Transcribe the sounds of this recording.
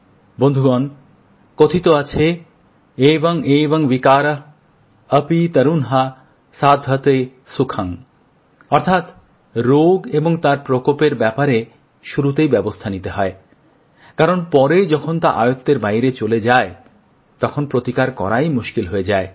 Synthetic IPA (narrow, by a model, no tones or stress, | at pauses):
bond̪ʱuɡɔn | kot̪ʰit̪oat͡ɕʰe | eboŋeboŋbikaɾ | əpit̪əɾunɦa | sad̪ʱɦət̪e | sukʰaŋ | ɔɾt̪ʰat̪ | ɾoɡeboŋt̪aɾpɾokopeɾbɛpaɾe | ʃuɾut̪ejbɛbost̪ʰanit̪eɦɔe | kaɾonpɔɾed͡ʑɔkʰont̪a̰ʔa̰jot̪ːeɾbajɾet͡ɕoled͡ʑae | t̪ɔkʰonpɾot̪ikaɾkɔ̰ɾajmuʃkilɦoed͡ʑae